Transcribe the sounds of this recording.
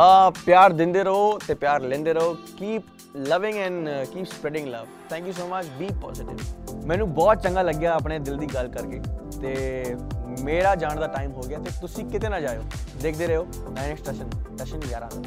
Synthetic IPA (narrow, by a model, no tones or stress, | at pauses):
aːpjaːɾd̪ɪ̃nd̪eːɾəɦoːt̪eːpjaːɾlɛ̃ːnd̪eːɾəɦoːkiːp | ləʋɪ̃ŋɛ̃nkiːpspɾɛːɖɪ̃ŋlə̰ʋt̪ʰɛ̃ːŋkjuːs̬oːmət͡ʃbiːpɔ̰ːzɪʈɪ̰ʋmɛ̃ːnũːbɔːt̪̚t͡ʃəŋɡaːləɡjaːəpɽeːd̪ɪld̪iːɡəlkəɾkeːt̪eː | meːɾaːd͡ʒaːɳd̪aːʈaːɪmɦoːɡɪaːt̪eːt̪ʊsĩːkɪt̪eːnãːd͡ʒaːjoːd̪eːkʰd̪eːɾəɦoː | naːɪnɛksʈeʃənʈeʃənjaːɾãːd̪a